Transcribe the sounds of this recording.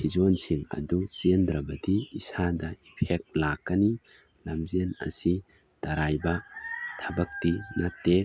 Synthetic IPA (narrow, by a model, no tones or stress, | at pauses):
sʰizɔnsiŋɐ̰d̪usiənd̪ɾɐbɐd̪iːsad̪ɐipʰɛk̚lakːɐni | lɐmziənɐ̰si | t̪ɐɾajbɐt̪ʰɐbɐk̚t̪inɐk̚t̪e